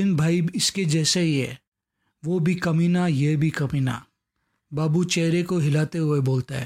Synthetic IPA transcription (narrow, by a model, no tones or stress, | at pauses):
ɪnbʱaːiɪsked͡ʒɛːseɦiɦɛː | ʋobʱikɐminajebʱikɐmiːna̰ | baːbut͡ʃɛːɾekoɦɪlaːt̪eɦʊeboːlt̪aɦɛ̰ː